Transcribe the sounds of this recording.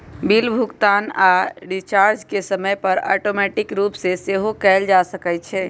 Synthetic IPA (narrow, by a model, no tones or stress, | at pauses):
bilbʱukt̪anaɖit͡ʃaɾd͡ʒkesəməjpəɾɔ̰ʈomɛʈikɾupseseɦokɛld͡ʒasəkɛt͡ʃʰɛ